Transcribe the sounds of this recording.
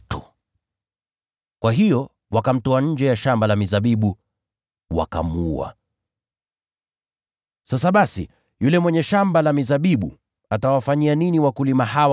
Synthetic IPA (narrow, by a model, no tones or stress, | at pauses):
tu | kwʔaɦijɔ | wakam̩tɔaɲ̩d͡ʒɛjaʃambalamizaɓiɓu | wa̰ka̰muua̰ | sasaɓasḭ | julɛmwɛɲɛʃambalamizaɓiɓṵ | atawafaɲianiniwakulimahaw